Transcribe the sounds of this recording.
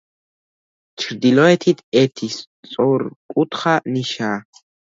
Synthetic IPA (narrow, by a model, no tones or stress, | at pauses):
t͡ʃʰɾd̪ilɔɛt̪ʰit̪ʰɛt̪ʰist͡sʼɔɾkʼut̪ʰχaniʃaː